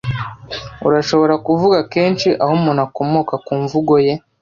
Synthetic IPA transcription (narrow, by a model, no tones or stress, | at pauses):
ṵɾaʃo̞βo̞ɾakuvuɡake̞ːnt͡ʃiʔahomunako̞moːkakuːɱvuɡo̞je̞